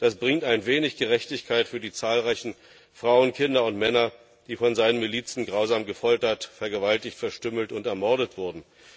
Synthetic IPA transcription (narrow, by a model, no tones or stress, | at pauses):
d̥asb̥ʁɪŋtaɪnveːnɪçɡ̥əʁɛçtɪçkʰaɪtfyːɐdiːt͡saːlʁaɪçn̩ | fʁ̥aʊənkʰɪndɐʊntmɛnɐ | d̥iːfɔnzaɪnənmiliːt͡sn̩ɡʁaʊzaːmɡəfɔltɐtfɛɐɡəvaltɪçtfɛɐʃtʏml̩tʊntɛɐmɔɐɾdətv̥ʊɐdn̩